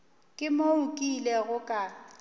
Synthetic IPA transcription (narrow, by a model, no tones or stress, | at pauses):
kʼɪmoʊkʼilɛɣʊkʼa